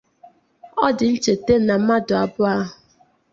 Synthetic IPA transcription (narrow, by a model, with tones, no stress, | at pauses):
ɔ˦dɪ˨n̩˦t͡ʃe˨te˦na˨m̩˦ma˦dʊ˨a˨bʊ˦a˦ɦʊ˨